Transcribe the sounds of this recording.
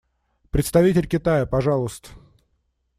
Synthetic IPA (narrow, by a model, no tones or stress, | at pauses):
pɾʲɪt̪st̪ɐvʲitʲɪlʲkʲɪt̪ajəpɐʐɑlˠəst̪ə̥